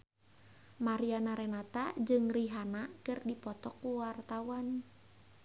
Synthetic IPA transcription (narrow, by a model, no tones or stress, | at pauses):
maɾianaɾenat̪ad͡ʒɨŋriɦanakɨrdipɔt̪ɔkːuwart̪awan